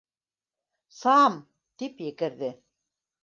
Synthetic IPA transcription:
sɑm | t̪ipjɘ̆kɘ̆ɾðɘ

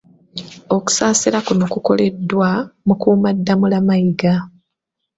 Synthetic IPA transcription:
o̞ku̥saːsilakuno̞kuko̞le̞dːwamukuːmadːamulamajiɡa

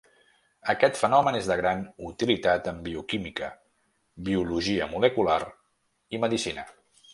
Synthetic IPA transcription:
əkɛt̪fənɔmənezðəɣɾanut̪ilit̪at̪əmbiukimikə | biuluʒiəmuləkular | iməðisinə

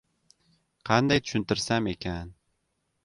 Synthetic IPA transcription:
qʰɑnd̪ajt̪ʰʊ̥ʃɪnt̪ɪɾsame̞kʲʰan

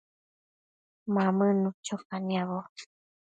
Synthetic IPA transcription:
mamənut͡ʃʰokaniaβo

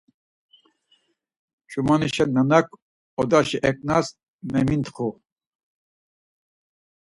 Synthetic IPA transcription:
t͡ʃʼumaniʃɛnənɐkʰ | ɔd̪aʃiʔɛk̚ʼnas | mɛmint̪χu

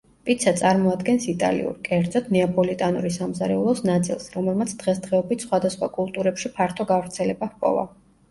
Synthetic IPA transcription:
pʼit̪sʰat̪sʼaɾmɔad̪ɡɛnsit̪ʼa̰lḭṵɾkʼɛɾd̪zɔt̪ʰnɛapʼɔlit̪ʼanuɾisamzaɾɛulˠɔsnat̪sʼḭlˠsɾɔmɛlˠmat̪sʰd̪̥ʁɛsd̪ʁɛɔbit̪ʰsχwad̪asχwa̰kʼulˠt̪ʼuɾɛpʃipʰaɾt̪ʰɔɡavɾt̪sʰɛlɛbahpʼɔ̰va̰

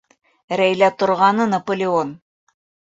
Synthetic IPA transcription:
ɾæjlæt̪ŏɾʁɑnɤnɐpŏlʲɪon

